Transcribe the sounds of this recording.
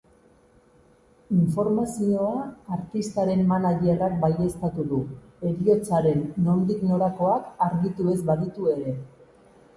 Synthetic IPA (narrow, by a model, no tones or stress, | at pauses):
iɱfo̞ɾmasio̞aːɾt̪ist̪aɾe̞mːanaʎierak̚baje̞st̪at̪uðu | e̞ɾio̞t͡saɾe̞nːo̞nd̪ikno̞ɾako̞akaɾɣit̪ue̞zbaðit̪ue̞ɾe̞